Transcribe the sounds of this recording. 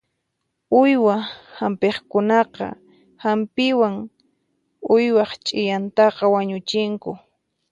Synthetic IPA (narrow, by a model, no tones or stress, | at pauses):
ʊjwahampeχkʊnɑqɑ̰ | hampɪwaŋ | ʊjwɑχt͡ʃʼɪjant̪ɑqɑwaɲʊt͡ʃɪŋkʊ